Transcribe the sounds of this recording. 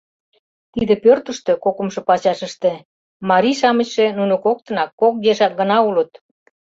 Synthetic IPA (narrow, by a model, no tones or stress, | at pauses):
t̪id̪ĕpørt̪ə̆ʃt̪ø̆kokə̆mʃɤ̆pɑt͡ɕɑʃəʃt̪e | mɑɾiʃɑmət͡ɕʃenunokok̚t̪ə̆nɑkːok̚d̪eʃɑk̚ɡənɑulət̪